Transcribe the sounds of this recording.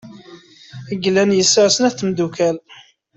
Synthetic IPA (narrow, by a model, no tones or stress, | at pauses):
əɡlænjəsəʁsənæθmd̪ukæl